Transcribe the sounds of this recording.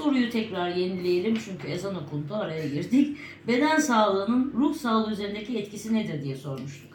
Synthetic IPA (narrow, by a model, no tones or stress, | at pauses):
so̞ɾujut̪ʰɛcɾaɾje̞nilʲejelʲimt͡ʃʰyɲcʰye̞zanokʰunt̪ʰuaɾajaɟiɾd̪ic | be̞d̪ænsaːlˠɯːnɯnɾuhsaːlˠɯyze̞ɾind̪ecʰiɛt̪cisined̪iɾd̪ijɛso̞ɾmuʃt̪ʰuk